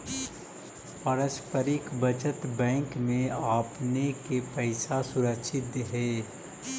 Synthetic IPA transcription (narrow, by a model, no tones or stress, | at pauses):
pəɾəspəɾɪkbɐt͡ʃət̪bɛ̃ːŋkmẽaːpnekepɛɪsasʊɾəkʃɪt̪ɦɛː